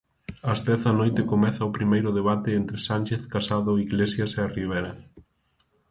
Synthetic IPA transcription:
ɐzðɛθanojt̪ɪkomɛθɐʊpɾimejɾʊðeβat̪eent̪ɾesanʲt͡ʃeθkasaðʊiɣlesjɐseariβ̞eɾɐ

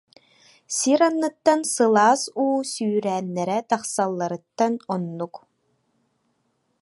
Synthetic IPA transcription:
siɾanːɯt̪ːansɯlˠaːsuːsyːɾæːnːɛɾɛt̪aχsalˠːaɾɯt̪ːanɔnːuk

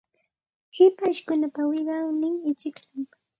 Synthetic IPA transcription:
hɪpaʃkʊnapawɪɢɑwnɪŋɪt͡ʃɪkʎam

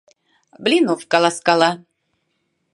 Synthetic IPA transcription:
blʲinufkalˠaskalˠa

